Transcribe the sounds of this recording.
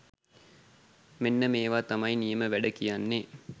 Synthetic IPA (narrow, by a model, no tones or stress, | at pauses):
menːəmeːʋaːt̪amɐjinijəməʋæɖəkijanːe